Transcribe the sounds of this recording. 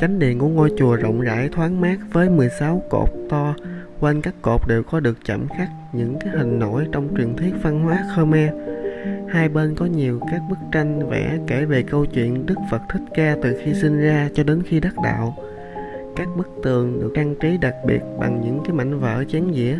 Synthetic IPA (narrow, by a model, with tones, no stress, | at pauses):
t͡ɕa˨˦jŋ̟ɗḭ˧˨ənku˧˩əŋo˧jt͡ɕu˨˩əzə̰˧˨wŋ͡mza̰ː˧˥jt̪ʰwaː˨˦nmaː˦˥k̚vəː˨˦jmɨ˨˩əjsa˨˦wko̰˨˩p̚t̪ɔ˧ | kwa˧jnkaː˦˥kːo˨˩p̚ɗe˨˩wkɔ˨˦ɗɨ˨˩ək̚t͡ɕə̰˧˩mxa˦˥k̚ɲɨ̰˧˥ŋkaː˨˦jɦï˨˩ŋ̟no̰˧˥jt͡ɕɔ˧wŋ͡mt͡ɕwi˨˩ənt̪ʰi˦˥ət̚va˧nhwaː˨˦xəː˧maː˧ | haː˧jɓeː˧nkɔ˨˦ɲi˨˩əwkaː˦˥k̚ɓɨ˦˥k̚t͡ɕa˧jŋ̟vɛ̰ː˧˩ke˧˩ve˨˩kə˧wt͡ɕwḭ˧˨ənɗɨ˦˥k̚fə˨˩t̚t̪ʰï˦˥t̚kaː˧t̪ɨ˨˩xi˧si˧n̟zaː˧t͡ɕɔ˧ɗe˨˦nxi˧ɗa˦˥k̚ɗa̰ː˧˨w | kaː˦˥k̚ɓɨ˦˥k̚t̪ɨ˨˩əŋɗɨ˨˩ək̚aː˧ŋt͡ɕi˨˦ɗa˨˩k̚ɓḭ˨˩ət̚ɓa̰˨˩ŋɲɨ̰˧˥ŋkaː˨˦jma̰˧˨jŋ̟və̰ː˧˥t͡ɕɛ˨˦nzḭ˧˥ə